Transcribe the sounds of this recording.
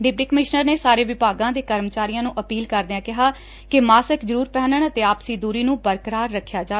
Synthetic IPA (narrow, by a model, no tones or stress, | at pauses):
ɖɪp̚ʈiːkəmɪʃnəɾneːsaːɾeːʋɪpaːɡãːd̪eːkəɾmət͡ʃaːɾijãːnũːʔəpiːlkəɾd̪eːãːkɪɦaː | kɪmaːsəkzəɾuːɾpɛːnəɳət̪eːaːpsiːd̪uːɾiːnũːbəɾkəɾaːɾːəkʰːjaːd͡ʒaː